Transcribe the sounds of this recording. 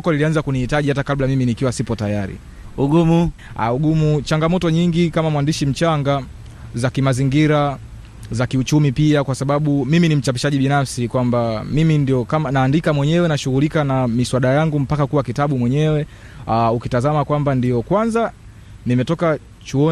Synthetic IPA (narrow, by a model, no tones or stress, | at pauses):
kɔlilianzakunihitaʄihatakablamiminikiwasipɔtajaɾḭ | uɡumua̰uɡumut͡ʃaŋɡamɔtɔɲiŋɡikamamwandiʃim̩t͡ʃaŋɡa | zakimaziŋɡiɾa | zakiut͡ʃumipiakwasaɓaɓumiminim̩t͡ʃapiʃaʄiɓinafsikwambamimindiɔkamanaːndikamwɛɲɛwɛnaʃuɣulikanamiswaɗajaŋɡum̩pakakuwakitaɓumwɛɲɛwɛ | aukitazamakwambandijɔkwanza | nimɛtɔka | t͡ʃuɔ